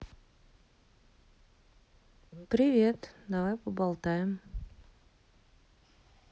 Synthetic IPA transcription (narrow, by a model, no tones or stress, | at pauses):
pɾʲɪvʲe̞t̪d̪ɐvajpəbɐlˠt̪ajɪm